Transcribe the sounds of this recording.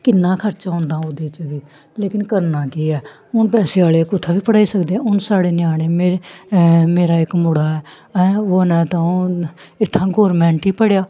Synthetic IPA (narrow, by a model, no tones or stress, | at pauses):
kɪnːãːkʰəɾt͡ʃãːõːnd̪ãːod̪eːt͡ʃəʋiː | leːkɪnkəɾnaːkiːɛː | ʊnpɛːseːaːleːkʊt̪ʰːaːbʱiːpəɽaːiːsəkd̪eːɛ̃ːʊnsaːɽeːnjaːɽeːmeːe | meːɾaːɪkmʊɽaːɛː | ɛoːnɛ̃ːt̪ãõː | ɪt̪ʰːãːɡoːɾmɛ̃ːɳʈiːpəɽejaː